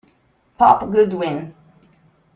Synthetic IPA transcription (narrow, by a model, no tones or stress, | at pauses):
pʰɔpɡʊdwɪ̃n